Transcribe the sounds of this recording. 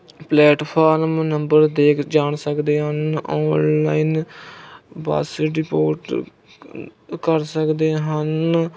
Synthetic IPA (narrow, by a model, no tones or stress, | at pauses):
plɛːʈpʰaːɾmnəmbəɾd̪eːkʰd͡ʒaːɳsəkd̪eːɦənɔːnlaːiːn | bə̰sɾɪpo̰ːɾʈ | kəɾsəkd̪eːɦən